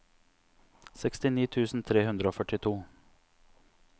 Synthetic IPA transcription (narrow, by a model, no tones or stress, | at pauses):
sɛkst̪ɪniːt̪ʰʉːsn̩t̪ʰɾeːhʉnd̪ɾəoːfœʈɪt̪ʰuː